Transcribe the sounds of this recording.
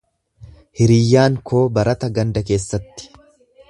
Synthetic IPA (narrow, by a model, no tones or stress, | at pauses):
hɪɾɪjːaːŋkʰo̞ːbɐɾʔɐt̪ɐɡɐnd̪ɐk̬e̞ːsːɐt̪ːɪ̥